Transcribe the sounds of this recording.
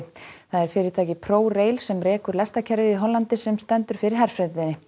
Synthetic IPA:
θaðɛɾ̥fɪːɾɪɾt̪ʰaːjcɪpʰɾoːwreːjlsɛmrɛːkʏɾlɛst̪acʰɛɾvɪiɦɔlːant̪ɪsɛmst̪ɛnt̪ʏɾ̥fɪːɾɪɾ̥ɦaɾ̥fɾɛɾðɪnːɪ

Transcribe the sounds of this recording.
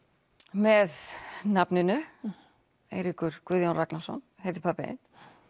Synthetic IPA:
mɛðnapnɪnʏ | ḛjɾihkʏɾ̥kvʏðjanraknasɔ̰nhejt̪ɪ̥pʰapaɪ̰n

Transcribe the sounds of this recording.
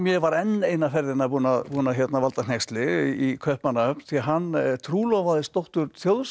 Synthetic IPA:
mjɛvaɾɛnːeːjnafɛɾðɪnapuːnaðpuːnaçjɛt̪navalt̪an̥ɛkst̪lɪikʰœhpmanaœpn̥θiaɦanːt̪ʰɾuːlɔɣvaðɪst̪owht̪ʏɾθjoːwðs

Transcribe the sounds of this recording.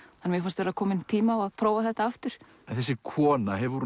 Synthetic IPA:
anvɪɣfanst̪vɛːɾakʰɔːmɪnt̪ʰiːmaɔaðpʰɾoːwvaθɛht̪aaft̪ʏɾ̥ | ɛnθɛsːɪkʰɔːnaɦɛvɾvuɾ

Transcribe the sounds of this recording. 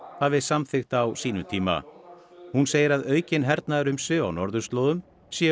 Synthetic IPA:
haːvɪsamθɪxt̪awsiːnʏmt̪ʰiːma̰hunseːjɪɾaðœːɥcɪnɦɛɾt̪naɾʏmsʏawnɔɾðʏst̪loːðʏm | sjɛ

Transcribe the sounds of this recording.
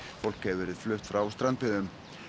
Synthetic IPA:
fowl̥khɛvvɛːɾɪð̥flœht̪fɾawst̪ɾant̪pɪðʏm

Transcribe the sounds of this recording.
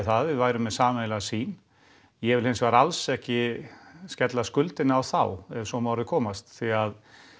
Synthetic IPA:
θaðvɪðvaːjɾʏmːɛðsaːmejlasiːn | jɛvɪlhɪnsvaɾalsɛhcɪ | scɛt̪laskʏlt̪ɪnɪawθawɛvsɔmawɾɪkʰɔːmast̪θiað

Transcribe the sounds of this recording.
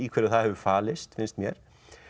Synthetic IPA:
ikʰvɛːɾaθaðhɛvʏfaːlɪst̪fɪnst̪mjɛɾ̥

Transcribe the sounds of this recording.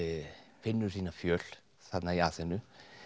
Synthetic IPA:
fɪnːʉɾsiːnafjøːl | sad̪najaːsɛnʉ

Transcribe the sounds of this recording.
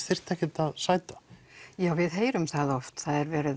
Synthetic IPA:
θɪr̥t̪ʰɛhkcɪt̪aðsaːjt̪ḁjaːwvɪðɦeːjɾʏmθaðɔft̪θaðɛɾvɛːɾɪð

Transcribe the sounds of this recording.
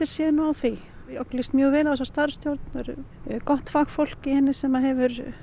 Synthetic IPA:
ɪɾ̥sjɛːðɪnʏawθi | ɔklɪst̪mjœːɣvɛːlawɛs̬ast̪aɾ̥st̪jowɾt̪nɛɾ | kɔht̪faxfowl̥kɪhɛnːɪsɛmaðɦɛvʏɾ̥

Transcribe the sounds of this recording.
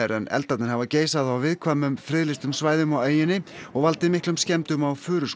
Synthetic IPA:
ɾɛ̰nɛ̰lt̪at̪nɪɾ̥havaceːjsaðawvɪðkʰvaːmːʏmfɾɪðlɪst̪ʏmsvaːjðʏmaweːjɪnːɪɔɣvalt̪ɪðmɪhklʏmscɛmt̪ʏmawfʏːɾʏs

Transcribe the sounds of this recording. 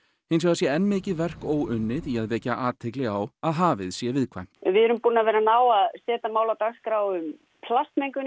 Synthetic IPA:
hɪns̬aɣðasjɛɛnːmɪːcɪðvɛr̥koːwʏnːɪðiaðvɛːcaʔaːt̪ʰɪklɪɣawaðɦaːvɪðsjɛvɪðkʰva̰jm̥t̪vɪðɛɾʏmpuːnavɛːɾanaːwaðsɛːt̪amaːwlat̪aɣskɾawʏm | pʰlast̪mejŋkʏ

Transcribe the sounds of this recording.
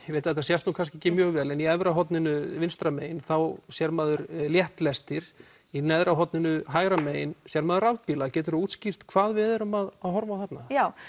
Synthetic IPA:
veːjt̪aðɛt̪asjɛst̪nuːkʰanscɛcːɪmjœːɣvɛːlɛniɛvɾaɦɔt̪nɪnʏvɪnst̪ɾameːjɪnθawsjɛɾmaːðʏɾljɛht̪lɛst̪ɪɾ̥ | inɛðɾaɦɔt̪nɪnʏɦaːjɣɾameːjɪnsjɛɾmaːðʏɾavpilacɛːt̪ʏɾauːt̪scir̥t̪kʰv̥aːðvɪðɛɾʏmaðaðhɔɾvaθɛt̪najaw

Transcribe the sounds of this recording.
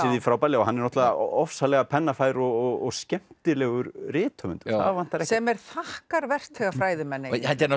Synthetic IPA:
ɪðifɾawpajlɪɔhanːɛɾnɔht̪aɔfsalɛɣapʰɛnːafaːjɾɔɣɔɣɔɣscɛm̥t̪ɪlɛɣʏɾrɪːt̪ʰœmʏ̰nt̪ʏ̥θa̰ðvan̥t̪ːaɾɛsɛmɛɾ̥θahkaɾvɛr̥t̪ɛɣafɾaːjðɪmɛnːɪhant̪ɛn

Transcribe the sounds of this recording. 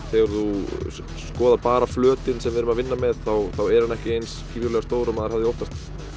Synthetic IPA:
θɛɣaɾðu | skɔːðapaːɾaflœːt̪ɪnsɛmvɪðɾʏmaðvɪnːamɛðθawθawɛɾhanːɛhcɪejnshiːvjʏɾlɛɣast̪oːwɾʏmaðɪɾhavðɪowht̪ast̪

